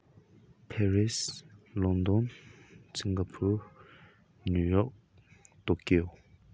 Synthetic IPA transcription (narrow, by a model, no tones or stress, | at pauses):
pʰɛɹislɔnd̪ɔnsiŋɡapʰuɹ | nujɔk̚ | t̪okio